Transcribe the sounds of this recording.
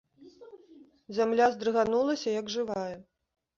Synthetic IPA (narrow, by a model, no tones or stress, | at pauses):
zʲamlʲazd̪ɾɨɣanulˠɐsʲɐjɐɡʐɨvajɛ